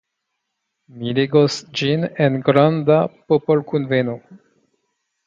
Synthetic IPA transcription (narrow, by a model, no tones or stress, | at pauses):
mileɡosd͡ʒinenɡɾandapopolkunveno